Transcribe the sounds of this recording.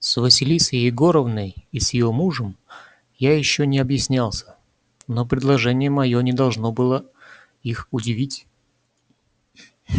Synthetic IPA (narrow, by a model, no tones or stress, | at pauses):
svəsʲɪlʲisəjɪɡo̞ɾəvnəjisjɪjo̞muʐəm | jajɪɕːonʲɪɐbjɪsʲnʲalˠsʲə̥ | no̞pɾʲɪd̪lˠɐʐɛnʲɪjəmɐjo̞nʲɪd̪ɐlˠʐno̞bɨlˠə | ixʊdʲɪvʲitʲ